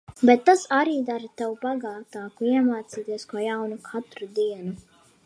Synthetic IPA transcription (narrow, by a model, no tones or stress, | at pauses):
bɛt̪ːasaɾiːd̪aɾt̪awubaɡaːt̪aːkuiɛmaːt̪siːt̪iɛskoːjawnukʰat̪ɾud̪iɛnu